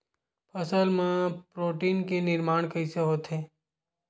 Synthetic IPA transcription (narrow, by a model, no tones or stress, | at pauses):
pʰəsəlmãpɾoʈinkenɪɾmaɳ̃kəiseɦot̪ʰe